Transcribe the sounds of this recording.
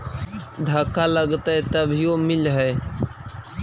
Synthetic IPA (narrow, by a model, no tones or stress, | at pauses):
d̪ʱəkːaləɡt̪əjt̪əbʱijomɪlɦəj